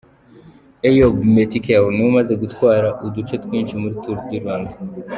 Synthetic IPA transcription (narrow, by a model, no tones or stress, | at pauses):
ejoɡmet̪ʰikʰewnumɐzɐɡut̪kwaːɾaʔud̪ut͡ʃʰet̪kunt͡ʃimuɾt̪ʰuɾd̪iɾand̪